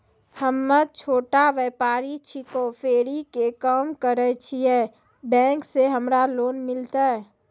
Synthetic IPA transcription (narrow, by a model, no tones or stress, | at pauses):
həmːət͡ʃʰoːʈaʋɛːpaːɾit͡ʃʰikopʰeːɾikekaːmkəɾət͡ʃʰiɛ | bɛ̃ːŋkseɦəmɾaloːnmɪlt̪aɛ